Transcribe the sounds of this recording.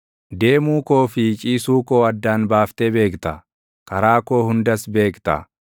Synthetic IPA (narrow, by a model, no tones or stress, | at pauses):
d̪e̞ːmuːko̞ːfɪt͡ʃʼiːsuːko̞ːɐd̪ːaːnbaːft̪ɛbe̞ːkt̪ɐ | kɐɾaːkoːhʊnd̪ɐsbe̞ːkt̪ɐ̰